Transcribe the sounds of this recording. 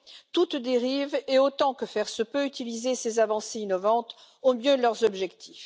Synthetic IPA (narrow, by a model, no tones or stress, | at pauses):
t̪ut̪d̪eʁiveot̪ɑ̃kəfɛʁsəpøyt̪ilizesezavɑ̃seinɔvɑ̃t̪ | omjølœʁzɔbʒɛkt̪ʰif